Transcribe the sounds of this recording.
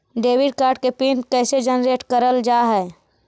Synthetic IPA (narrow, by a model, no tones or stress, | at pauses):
ɖeːʋɪɖkaːɾɖ̚kepinkɛːsed͡ʒənɾeːʈkəɾəld͡ʒaɦɛː